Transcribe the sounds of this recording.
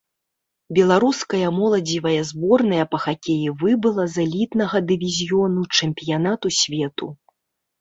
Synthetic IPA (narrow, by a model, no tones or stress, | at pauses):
bʲɛlˠaɾuskɐjɐmɔlˠɐd͡zʲivɐjɐzbɔrnɐjɐpɐxakʲejivɨbɨlˠɐzalʲit̪nɐɣɐd̪ɨvʲizʲjɔnut͡ʂɨmʲpʲijanat̪usʲvʲɛt̪u